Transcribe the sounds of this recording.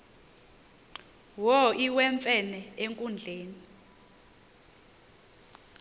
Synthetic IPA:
wɔiwɛɱfʼɛnɛeŋkʼund͡ɮʱeːni

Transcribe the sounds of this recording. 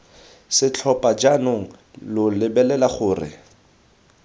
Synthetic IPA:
sɪt͡ɬʰɔpʼad͡ʒanʊŋ̩lʊlɪbɛlɛlaχʊːrɪ̰

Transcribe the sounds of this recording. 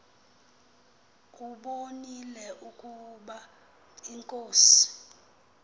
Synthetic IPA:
kʼuɓonilɛʔukʼuɓa | iŋkʼoːsi̥

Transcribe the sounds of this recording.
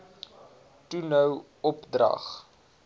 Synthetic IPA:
tunəw | ɔpdrɐ̰χ

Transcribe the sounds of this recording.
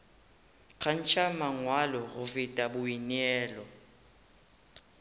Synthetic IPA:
kʰan̩t͡ʃʰʼamaŋwalɔɣʊfɪtʼabʊiniɛːlɔ

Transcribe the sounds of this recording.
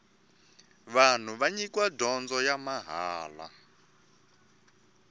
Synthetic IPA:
βan̤uβaɲikwadɔnd͡zɔjamaɦaːla̰

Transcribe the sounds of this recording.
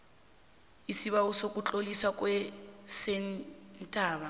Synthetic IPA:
isiβausokʼut͡ɬʼoliswakʼwɛsɛnntʼaːβa

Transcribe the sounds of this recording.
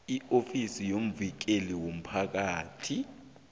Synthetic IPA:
iofisijom̩vik̬eliwom̩pʰak̬aːtʰi

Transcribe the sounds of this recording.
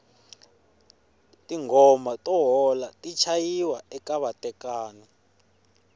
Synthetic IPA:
tʼiŋɔmatʼɔɦɔlatʼit͡ʃʰajiwaɛkaβatʼɛkaːni

